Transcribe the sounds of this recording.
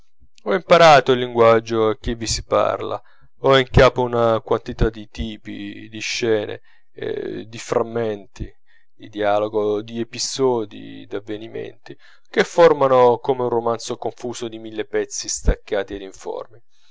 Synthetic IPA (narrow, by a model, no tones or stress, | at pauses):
ɔimpaɾaːt̪oilːiŋɡwad͡ʒːoak̟ːivːisi̥pa̰rla̰ | ɔiŋkaːpounakwant̪it̪ad̪it̪iːpḭd̪iʃːɛːnḛ | d̪ifɾamːɛnt̪i | d̪id̪iaːloɡod̪iepisɔːd̪ḭd̪avːenimḛnt̪i | kefːormanokomeunromant̪sokoɱfuːsod̪imilːepɛt̪sːist̪akːaːt̪ied̪iɱfɔ̰rmi